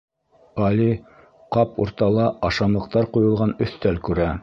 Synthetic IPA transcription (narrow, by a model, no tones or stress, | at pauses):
ɑli | qɑpṵɾt̪ɑlˠɑɑʃɑmlˠɤ̆q̚t̪ɑɾqujɤ̆lˠʁɑnɵ̆θt̪ælkʉɾæ